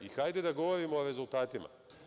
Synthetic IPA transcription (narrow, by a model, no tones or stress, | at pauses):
ixajd̪ed̪aɡo̞ʋoɾimoːɾe̞zulˠt̪aːt̪ima̰